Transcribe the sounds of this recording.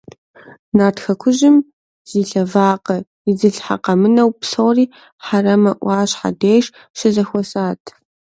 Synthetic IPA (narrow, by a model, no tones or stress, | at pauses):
naːrtxɐkʷʰʊʑɪm | z̥iːɬɐvaːqɐ | ɪd͡zɨɬħa̰qɐmɨnɐwpsowriː | ħarɐmɐʔʷɑːɕħa̰deːʂ | ʃɪzɐxʷɔsaːtʰ